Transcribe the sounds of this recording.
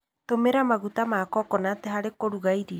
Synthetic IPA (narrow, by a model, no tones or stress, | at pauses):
t̪omeɾamaɣut̪amakɔkɔnat̪eɦaɾekoɾuɣaiɾi